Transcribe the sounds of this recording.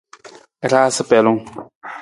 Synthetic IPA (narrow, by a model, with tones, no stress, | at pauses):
ɾa˦sə˦pɛ˨lʊ˦ŋ